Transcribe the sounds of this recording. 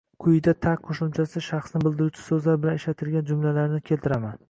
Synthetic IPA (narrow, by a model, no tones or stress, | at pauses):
kʰʊjd̪at̪ʰaq̚qʰoʃʊmt͡ʃʰasɪʃɑχsnɪbɪld̪ɪɾut͡ʃʰɪ̥sɵzlaɾbɪlaneʃlat̪ʰɪlɡʲand͡ʒʊmlalaɾnɪkʲʰe̞lt̪ʰɪɾaman